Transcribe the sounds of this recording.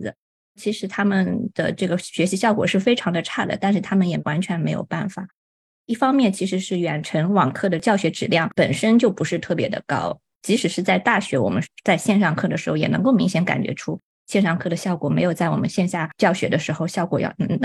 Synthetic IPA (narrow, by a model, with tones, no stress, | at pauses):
t͡ɕʰi˧˥ʂɻ̩˧˥t̪ʰa˥mə˨nd̪̥ə̰˩ʈ͡ʂɤ˥˩ɡə˩ɕɥɛ˧˥ɕi˧˥ɕjɑ˥˩ʊkwɔ˨˩ʂɻ̩˥˩fe˥ɪʈ͡ʂʰɑ˧˥ŋd̪ə˧ʈ͡ʂʰa˥˩d̪ə̰˩t̪a˥˧nʂ̬ɻ̩˥˩t̪ʰa˥mə˨njɛ˨˩wʔa˧˥nt͡ɕʰɥɛ˧˥nme˧˥ɪjo˨˩ʊpa˥˩nfa̰˨˩ | i˥˩fɑ˥ŋmjɛ˥˩nt͡ɕʰi˧˥ʂɻ̩˧˥ʂɻ̩˥˩ɥɛ˨˩nʈ͡ʂʰə˧˥nwɑ˨˩ŋkʰɤ˥˩d̪ə˩t͡ɕjɑ˥˩ʊɕɥɛ˧˥ʈ͡ʂɻ̩˨˩ljɑ˥˩ŋpə˨˩nʂə˥nt͡ɕjo˥˩ʊpu˧˥ʂɻ̩˥˧t̪ʰɤ˥˩pjɛ̰˧˥d̪ə̰˧kɑ̰˥ʊ | t͡ɕi˧˥ʂɻ̩˨˩ʂɻ̩˥˧t͡sa˥˧ɪt̪a˥˩ɕɥɛ˧˥wɔ̰˨˩mə̰˦nt͡sa˥˧ɪɕjɛ˥˧nʂɑ˥˧ŋkʰɤ˥˩d̪ə˩ʂɻ̩˧˥xjɛ̰˨˩nɤ̰˧˥ŋko˥˩ʊmi˧˥ŋɕjɛ˧˥nka̰˨˩nt͡ɕɥɛ̰˧˥ʈ͡ʂʰu˥ | ɕjɛ˥˧nʂɑ˥˧ŋkʰɤ˥˩d̪ə˩ɕjɑ˥˩ʊkwɔ˨˩me˧˥ɪjo˨˩ʊt͡sa˥˩wɔ̰˨˩mə̰˦nɕjɛ˥˧nɕja˥˩t͡ɕjɑ˥˩ʊɕɥɛ̰˧˥d̪ə˧ʂɻ̩˧˥xo˥˧ʊɕjɑ˥˩ʊkwɔ˨˩jɑ̰˥˧˩ʊnɤ˧˥ŋ